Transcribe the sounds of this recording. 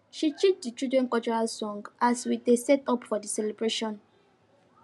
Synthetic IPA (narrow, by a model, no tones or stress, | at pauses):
ʃit͡ʃit͡ʃdit͡ʃudɹɛ̃nkɔlt͡ʃɔɹalsɔ̃ŋɡʔaswiesɛtɔpfɔdisɛlɛbɹeʃɔ̃n